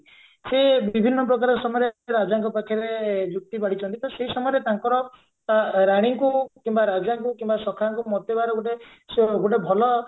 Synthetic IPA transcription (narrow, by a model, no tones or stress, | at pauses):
sebibʱinːɔpɾɔkaɾɔsɔmɔjɔɾeɾad͡ʒaŋkɔpakʰːaɾed͡ʒuk̚t̪ibaɽit͡ʃʰɔ̃nt̪it̪ʰɔseɦisɔmɔjɾet̪aŋkɔɾɔ | aɾaɽ̃iŋkukimbaɾad͡ʒaŋkukimbasɔkʰaŋkumɔt̪ɔbaɾɔɡoʈe | ɡoʈ̬ebʱɔlɔ